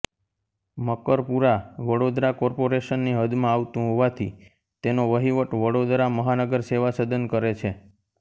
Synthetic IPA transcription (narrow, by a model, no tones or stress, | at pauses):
məkəɾpuɾaʋəɽod̪ɾakɔɾpoɾeʃənːiɦəd̪mãaʋt̪ũɦoʋat̪ʰi | t̪enoʋəɦiʋəʈʋəɽod̪ɾaməɦanəɡəɾseʋasəd̪ənkəɾet͡ʃʰe